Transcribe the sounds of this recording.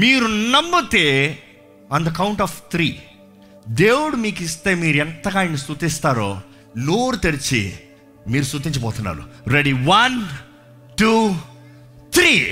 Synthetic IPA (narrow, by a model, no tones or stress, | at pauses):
miːɾunɐmːut̪eː | ɐːnd̪ɐkɐwɳʈaːft̪ʰɾiː | d̪eːwuɽumiːkist̪e̞ːmiːɾuɛnt̪ɐɡaːjnist̪ut̪ist̪aːɾoː | noːɾut̪eɾit͡ʃḭ | miːɾusut̪̬iɲt͡ʃɐpɔːt̪unːa̰ːɾṵɾeɽiʋɐn | ʈu | t̪ʰɾiː